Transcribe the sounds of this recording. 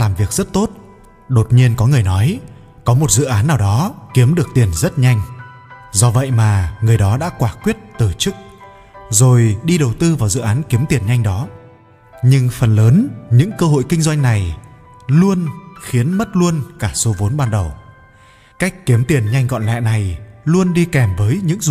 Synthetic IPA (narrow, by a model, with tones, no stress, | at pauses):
laː˨˩mvi˨˩ək̚zə˦˥t̚t̪o˦˥t̚ | ɗo˨˩t̚ɲi˧ənkɔ˨˦ŋɨ˨˩əjnɔ˨˦j | kɔ˨˦mo˨˩t̚zɨ̰˧˨ʔaː˨˦nːaː˨˩wɗɔ˨˦ki˨˦əmɗɨ˨˩ək̚t̪i˨˩ənzə˦˥t̚ɲa˧jŋ̟ | zɔ˧və̰˧˨jmaː˨˩ŋɨ˨˩əjɗɔ˨˦ɗa̰ː˧˥kwaː˧˩kwi˦˥ət̚t̪ɨ˨˩t͡ɕɨ˦˥k̚ | zo˨˩jɗi˧ɗə˨˩wt̪ɨ˧vaː˨˩wzɨ̰˧˨ʔaː˨˦nki˨˦əmt̪i˨˩ənɲa˧jŋ̟ɗɔ˨˦ | ɲɨ˧ŋfə˨˩nləː˨˦nɲɨ̰˧˥ŋkəː˧ɦo̰˧˨jkï˧ŋ̟zwa˧jŋ̟na˨˩j | lu˧ənxi˨˦ənmə˦˥t̚lu˧ənkaː˧˩so˨˦vo˨˦nɓaː˧nɗə˨˩w | ka˦˥jk̟̚kːi˨˦əmt̪i˨˩ənɲa˧jŋ̟ɣɔ̰˧˨nlɛ̰˧˨na˨˩jlu˧ənɗi˧kɛ˨˩mvəː˨˦jɲɨ̰˧˥ŋ˨